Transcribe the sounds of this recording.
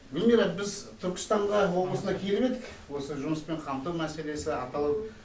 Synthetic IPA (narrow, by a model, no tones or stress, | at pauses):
bɪlʲmeɾɑt̪̚bɪzt̪ʰʏɾkʲɪ̥st̪ɑɴʁɑwo̞blˠəsənɑkʲʰe̞lɪβe̞d̪ɪkwo̞səʒʊməspe̞ɴqʰɑmt̪uwmæse̞le̞sɪɑt̪ɑlˠəp